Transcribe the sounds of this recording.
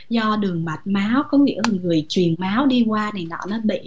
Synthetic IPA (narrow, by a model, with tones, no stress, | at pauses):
zɔ˧ɗɨ˨˩əŋma˨˩t̚maː˨˦wkɔ˨˦ŋḭ˧˥əlŋɨ˨˩əjt͡ɕwi˨˩ənmaː˨˦wɗi˧kwaː˧ni˨˩nɔ̰˨˦nɔ˨˦ɓḭ˧˨